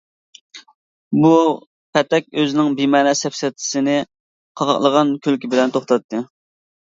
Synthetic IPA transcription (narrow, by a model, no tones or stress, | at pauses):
bu | pʰɛt̪ɛk̚ʲøzɪnɪŋbimɛːnɛsɛpsɛt̪ʰɪ̥sɪnɪ | qʰɑʁɑ̰qlˠəʁɑnkʲʰølkʲʰibɪlɛnt̪ʰoχt̪ɑt̪ʰːɨ